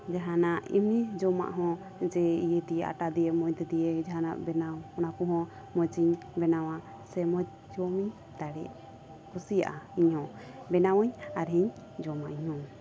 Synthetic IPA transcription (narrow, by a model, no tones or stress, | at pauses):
d͡ʒaɦanaʔḭmnid͡ʒɔma̰ʔɦɔ̃ | d͡ʒɛijɛd̪ijɛʔa̰ʈad̪ijɛmɔjd̪ɛd̪ijɛd͡ʒaɦana̰ʔbɛnawɔnakuɦɔ̃ | mɔd͡ʒiɲ | bɛnawa | sɛmɔ | d͡ʒɔmiɲ | d̪aɽɛ̰ʔ | kʰɔsija̰ʔaiɲhɔ̃ | bɛnawɔɲaɾɦiɲ | d͡ʒɔmaʔiɲhɔ̃